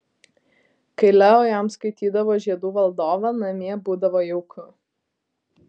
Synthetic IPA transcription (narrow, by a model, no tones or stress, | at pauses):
kɐɪlʲɛoːjamskɐɪt̪ʲiːd̪ɐʋoːʒʲiɛd̪uːʋɐlˠd̪oːʋɐnɐmʲiɛbuːd̪ɐʋoːjɛʊkʰʊ